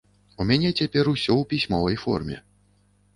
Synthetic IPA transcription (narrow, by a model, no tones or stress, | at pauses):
umʲanʲɛt͡sʲapʲɛɾusʲɔwpʲisʲmɔvɐjfɔ̰rmʲɛ̰